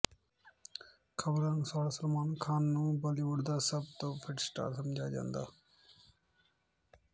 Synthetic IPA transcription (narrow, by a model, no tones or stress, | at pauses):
kʰəbɾaːnsaːlsəlmaːnkʰaːnːũːbəliʋʊɽd̪aːsəb̚t̪oːpʰɪʈsʈa̰ːsəmd͡ʒʱaːd͡ʒã̰ːnd̪a̰ː